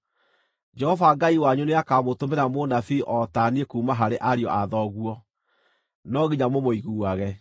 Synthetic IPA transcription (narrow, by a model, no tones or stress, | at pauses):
d͡ʒɛhɔvaɡaiwaɲuneakamotomeɾamonafiʔɔtaniekuːmaɦaɾeʔaɾiɔ̰ʔaðɔɣuɔ | nɔɣiɲamomoiɣuːaɣɛ